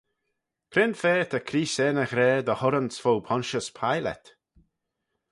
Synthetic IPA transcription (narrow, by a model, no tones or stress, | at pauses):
kʰɾɪnfɛːt̪ʰəkʰɾiːsɛːnəxɾɛːd̪əhʊɾənsfowpʰɔnʃəspʰajlɛ̰t̪